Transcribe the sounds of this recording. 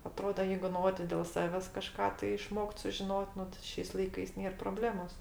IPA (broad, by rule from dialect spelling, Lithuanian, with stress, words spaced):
ɐˈtroːdɐ ˈjɛɪɡʊ ˈnoː tʲɪ dʲeːlˠ ˈsɑːʋʲɛs kɐˈʃkɑː tɐɪ ɪˈʃmoːkt sʊʒʲɪˈnoːtʲ ˈnʊ tɐɪ ˈʃʲɛɪs lˠɐɪˈkɐɪs ˈnʲeːr proːˈbʲlʲæːmoːs